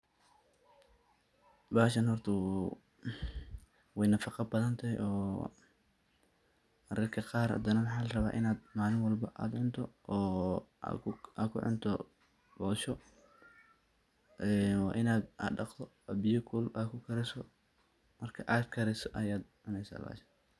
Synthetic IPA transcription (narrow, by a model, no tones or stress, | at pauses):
baːʃɐnhɔrt̪ʰɐ | wɛjnɐfɑqɑbɐðɐnt̪ʰɐɦɛjɔː | ɐɾɪrkʰɐqɑːrhɐ̰d̪ɐnɐwɑħɑːlɐrɐβa̰ːʔɪnaːd̪maːlɪnwɑlbɐʔa̰ːd̪ʕʊnt̪ʰɔɔːa̰kʰa̰ːkʰʊ̰ʕʊ̰nt̪ʰɔ̰ | bɔʃɔ | ʔɛnwɑ̰ːʔɪnaːd̪a̰ɖɑqt̪ʰɔ | bɪjʊkʰʊlʔaːd̪kʰʊkʰɐɾɛsɔ | mɐrkʰɐʔaːd̪kʰɐɾɛsɔʔɐjaːd̪ʕʊnɛjsa̰ːba̰ːʃɐ̥n